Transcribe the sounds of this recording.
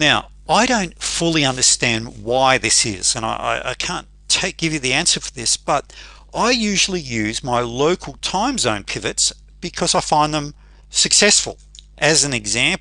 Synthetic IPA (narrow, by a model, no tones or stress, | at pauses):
naʊ | aɪɾõʊ̃ntfʊlˠiʌ̃ndə˞stæ̃ndwaɪðɪsɪ̰z̥ɨ̃ña̰ɪʔa̰ɪʔa̰ɪkʰæ̃n | tʰeɪk̚ɡ̥ɪvjɨðiæ̃nsə˞fə˞ðɪsb̥ʌɾ | aɪjʉʒl̩ˠijʉzmaɪloʊkʰl̩ˠtʰãɪ̃mzõʊ̃npʰɪvɨts | b̥ɨkʰʌzaɪfãɪ̃nðə̃m | sɨksɛsfə̰l̩ˠʔɨz̃n̩ɨɡzæ̃mp